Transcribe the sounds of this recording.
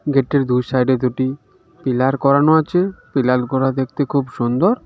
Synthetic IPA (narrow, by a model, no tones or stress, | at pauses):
ɡeʈːeɾd̪ujsajɖeɾd̪uʈi | pilaɾkɔɾanoat͡ɕʰepilalkɔɾad̪ek̚ʰt̪ekʰubʃund̪oɾ